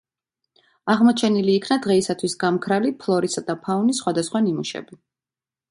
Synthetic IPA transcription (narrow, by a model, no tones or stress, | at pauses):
aʁmɔt͡ʃʰɛniliːkʰnad̪ʁɛisat̪ʰwisɡamkʰɾalipʰlˠɔɾisad̪apʰaunisːχwad̪asχwanimuʃɛ̰bi